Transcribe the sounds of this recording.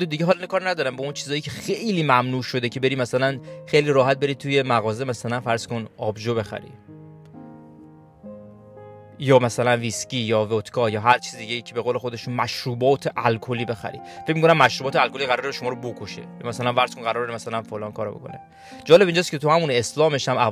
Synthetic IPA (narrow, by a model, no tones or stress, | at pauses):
d̪ed̪iɟeɦɒlinekɒːɾnæd̪ɒːɾæmbɒunt͡ʃʰiːzɒːjicʰe̞xejliːmæmnuːʃo̞d̪e̞cʰe̞be̞ɾimæsælænxejliːɾɒːɦæt̪̚be̞ɾid̪̚t̪ʰuje̞mæɣɒːzemæsælænfæɾz̥ko̞nɒːbʒobe̞xæ̰ɾḭ | jɒːmæsælænvisciːjɒːvot̪kʰɒjɒːɦæɾt͡ʃʰiːzid̪iɟejiːcʰe̞be̞ɣolexod̪eʃt̪unmæʃɾuːbɒːt̪ʰeʔælkʰoliːbe̞xæ̰ɾḭfecmikʰonæmːæʃɾubɒːt̪ʰeælkʰoliɣæɾɔːɾeʃomɒːɾobo̞kʰoʃej̰mæsælænvæɾz̥konɢæɾɒɾɾemæsælænfolɒːnkʰɒːɾo̰bo̞̰kʰo̞̰ne | d͡ʒɒːle̞bind͡ʒɒːskʲʰe̞t̪ʰuhæmune̞slɒːme̞ʃæmæ